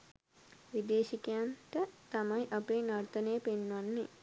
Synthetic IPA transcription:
ʋid̪eːʃikejant̪ət̪amajʔapeːnart̪ənejːəpenːʋanːe

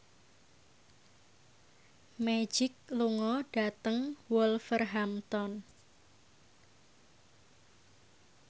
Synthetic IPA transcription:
me̥d͡ʒ̥ɪk̚luŋɔɖ̥at̪əŋwɔlfərɦamt̪ɔn

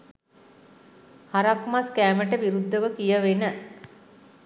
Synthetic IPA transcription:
haɾakmaskæːməʈəʋiɾud̪ʱːəʋəkijəʋenə

